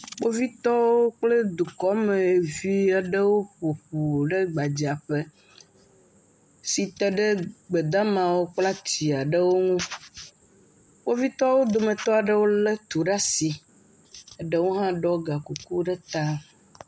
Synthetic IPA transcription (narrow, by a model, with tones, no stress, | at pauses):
k͡po˦vi˦t̪ɔ˦wo˦k͡ple˦d̪u˨kɔ˦mẽ˨vi˦a˦ɖe˦wo˦ɸo˨ɸu˨ɖe˦ɡ͡ba˨d͡ʑi˨a˨ɸe˦ | si˨t̪ɛ˦ɖe˦ɡ͡be˨d̪a˦mã˨wo˦k͡pla˦t͡ɕi˨a˨ɖe˦wo˦ŋũ˦ | k͡po˦vi˦t̪ɔ˦wo˦d̪o˨mẽ˨t̪ɔ˦a˨ɖe˦wo˦le˦t̪u˨ɖa˦si˨ | e˦ɖe˦wo˦ɦã˦ɖɔ˦ɡa˨ku˨ku˦ɖe˦t̪a˦